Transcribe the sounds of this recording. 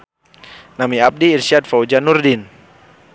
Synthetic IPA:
namiap̚diːrsiat̪̚faud͡ʒanurdin

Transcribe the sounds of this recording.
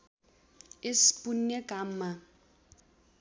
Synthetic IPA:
ɪspunːɛkamːa

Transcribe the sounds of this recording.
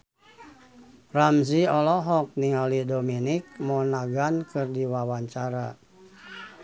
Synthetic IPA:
ramziɔlɔɦɔk̚niŋɔlidominik̚mɔnaɡankɨrdiwawaɲt͡ʃaɾa

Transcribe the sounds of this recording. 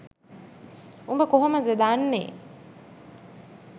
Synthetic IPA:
umbəkoɦoməd̪ed̪anːḛː

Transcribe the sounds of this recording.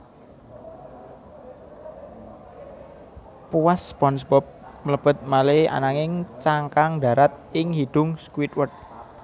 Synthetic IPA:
puwaspɔnsbɔp̚mələb̥ə̤t̪̚malea̰naŋɪŋt͡ʃaŋkaŋɖa̤ɾat̪̚ɪŋhiɖ̪̥ʊ̤ŋskuwit̪̚wət̪̚

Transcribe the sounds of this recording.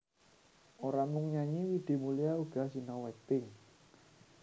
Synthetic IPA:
ʔoɾamʊŋɲaɲiwiɖ̪̥e̤mulijauɡ̥a̤sinɔwɛk̚t̪ɪŋ

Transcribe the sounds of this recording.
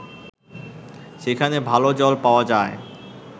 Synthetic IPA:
ʃekʰanebʱalod͡ʑɔlpaoad͡ʑae

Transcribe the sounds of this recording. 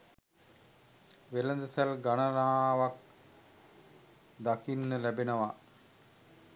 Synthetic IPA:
ʋeləd̪əsælɡanəɾaːʋak̚ | d̪akinːəlæbenəʋa

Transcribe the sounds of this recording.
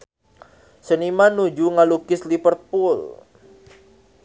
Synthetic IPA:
sənimanud͡ʒuŋalukɪslipərt̪̚pʊl

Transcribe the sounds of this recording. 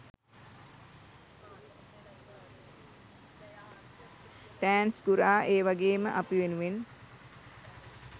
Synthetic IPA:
ʈæːnsɡuɾaːʔeːʋaɡeːməʔapiʋenuʋen

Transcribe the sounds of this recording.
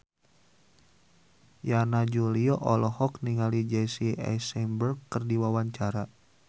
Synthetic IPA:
janad͡ʒuliɔʔɔlɔhɔkniŋalid͡ʒɛsiɛ̰sɛmbərkkːərdiwawaɲt͡ʃaɾa

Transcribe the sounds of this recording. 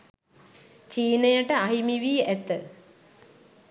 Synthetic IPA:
t͡ɕiːnejəʈəaɦimiʋiːet̪ːə

